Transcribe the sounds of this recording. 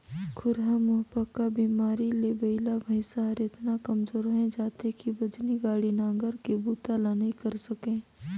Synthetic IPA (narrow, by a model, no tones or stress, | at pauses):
kʰʊɾɦamʊɦbəkːabiːmaːɾilebəɪlabʱɐɪsaɦɐɾɪt̪nakɐmzoːɾɦɛ̃d͡ʒaːt̪ekibɐd͡ʒniɡaːɽinãːŋɡəɾkebuːt̪alanĩkɐɾsɐkẽː